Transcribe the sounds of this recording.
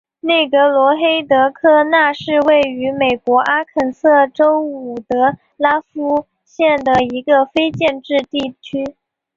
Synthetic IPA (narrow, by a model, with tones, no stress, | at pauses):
ne˥˩ɪɡə˧˥lwɔ˧˥xe˥ɪt̪ɤ˧˥kʰɤ˥˧na˥˧ʂɻ̩˥˧we˥˩ɪy˧˥me˨˩ɪkwɔ˧˥ʔa˥kʰə˨˩nsɤ˥˩ʈ͡ʂo˥ʊu˨˩t̪ɤ˧˥ | la˥fu˥ | ɕjɛ˥˩nd̪ə˩i˧˥ɡə˧fe˥ɪt͡ɕjɛ˥˧nʈ͡ʂɻ̩˥˧t̪i˥˩t͡ɕʰy˥